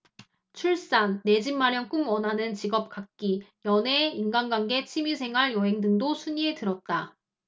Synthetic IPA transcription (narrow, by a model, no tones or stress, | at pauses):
t͡ɕʰuɭs͈anːe̞d͡ʑimːaɾjʌŋk͈ɯmwʌnɦanɯnt͡ɕiɡʌp̚k͈ak̚k͈ijʌne̞inɡanɡwanɡe̞t͡ɕʰimisʰe̞ŋɦaɭjʌɦe̞ŋdɯŋdosʰuɲie̞tɯɾʌt̚t͈a